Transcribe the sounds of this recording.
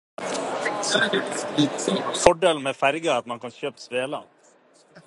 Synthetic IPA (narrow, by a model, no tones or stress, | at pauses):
fɔɖeln̩mɛfæɾɡəɑt̪mɑnkɑnɕøːpsʋeːlɑ̰n